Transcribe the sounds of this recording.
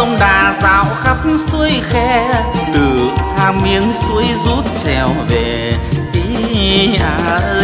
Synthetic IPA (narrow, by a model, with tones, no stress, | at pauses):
ə˧wŋ͡mɗaː˨˩za̰ː˧˨wxa˦˥p̚su˧əjxɛ˧t̪ɨ˨˩haː˧mi˧əŋsu˧˥əjzu˦˥t̚t͡ɕɛ˨˩wve˨˩ | ʔi˨˦ʔaː˧˩˧